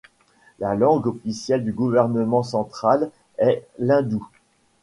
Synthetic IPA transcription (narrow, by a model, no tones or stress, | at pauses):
lalɑ̃ɡɔfisjɛld̪yɡuvɛʁnəmɑ̃sɑ̃t̪χal | ɛlɛ̃d̪u